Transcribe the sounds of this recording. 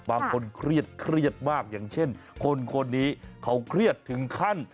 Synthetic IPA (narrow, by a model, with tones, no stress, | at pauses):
baː˧ŋkʰo˧nkʰɾi˥˩ət̪̚kʰɾi˥˩ət̪̚maː˥˩k̚jaː˨˩ŋt͡ɕʰe˥˩nkʰo˧nkʰo˧nːiː˦˥kʰa˦˥wkʰɾi˥˩ət̪ʰːɯ˩˦ŋkʰa˥˩n